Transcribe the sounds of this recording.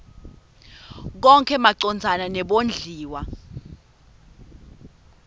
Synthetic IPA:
k̬ɔŋkʰɛmaǀɔnd͡zʱananɛɓond͡ɮʱiːwa

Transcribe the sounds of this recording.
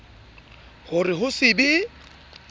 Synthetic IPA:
hʊrɪɦʊsɪbi

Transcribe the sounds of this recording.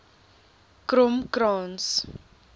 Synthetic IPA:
kɾɔmkɾɑːns

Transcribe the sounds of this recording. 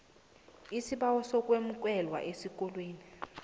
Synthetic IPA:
isiɓawɔsɔk̬ʼwemuk̬ʼɛlwa̰ʔesik̬ʼɔlwiːni

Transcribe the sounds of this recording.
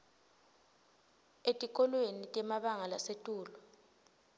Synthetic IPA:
etʼik̬ʼɔlwenitʼɛmaɓaŋalasetʼuːlɔ

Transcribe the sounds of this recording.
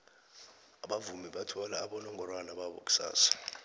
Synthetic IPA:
aɓavumiɓatʰɔlaːɓɔnɔŋʱɔrwanaɓaɓɔk̬ʼu̥sa̰ːsḁ

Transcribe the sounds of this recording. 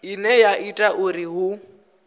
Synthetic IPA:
inɛjaʔitʼaʔʊriɦʊ

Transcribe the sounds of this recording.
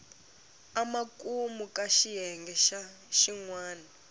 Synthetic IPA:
amakʼumukʼaʃijɛŋɡɛʃa | ʃiŋwaːna

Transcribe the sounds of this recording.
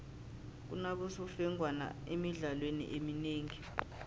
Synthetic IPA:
k̬unak̬usufɛŋwana̰emiɮalwenḭʔemineːŋi

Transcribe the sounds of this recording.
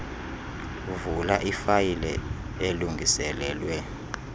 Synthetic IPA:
vulaʔifajilɛ̰ | eluŋɡʱisɛlɛːlwɛ

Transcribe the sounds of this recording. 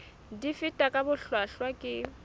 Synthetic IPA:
difɪtʼakʼabʊɬwaɬwakʼɪ

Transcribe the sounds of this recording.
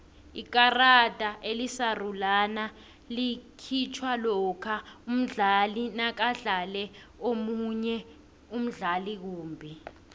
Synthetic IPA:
ik̬arad̥ʱaʔelisarulana | likʰit͡ʃʰwalɔkʰaum̩ɮalinak̬aɮalɛ | omuɲɛ | um̩ɮalik̬uːmbʱi

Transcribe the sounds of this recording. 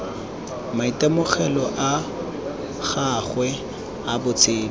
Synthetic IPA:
maitʼamʊχɛlɔʔa | χaχwɛ | abʊt͡sʰʼeːl

